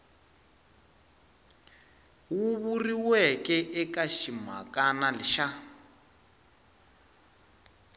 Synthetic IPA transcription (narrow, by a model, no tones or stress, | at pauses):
wuβuriwɛkɛʔɛkaʃima̰kanaliʃa